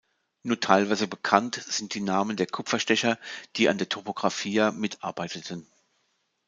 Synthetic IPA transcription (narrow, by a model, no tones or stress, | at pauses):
nuːɐtʰaɪlvaɪzəbəkʰantz̥ɪnt̚d̥iːnaːməndeːɐkʰʊpfɐʃtɛçɐd̥iːʔa̰ndeːɐtʰopoɡ̥ʁafiːɐmɪtʔa̰ɐbaɪtətʰən̩